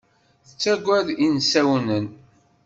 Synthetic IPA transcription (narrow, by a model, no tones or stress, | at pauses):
θət͡sːæɡʷæðinsæwnən